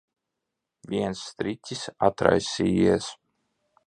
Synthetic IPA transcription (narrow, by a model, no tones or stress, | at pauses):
vʲiɛnsːt̪ɾit̪ʲisa̰t̪ɾa̰jsʲiːis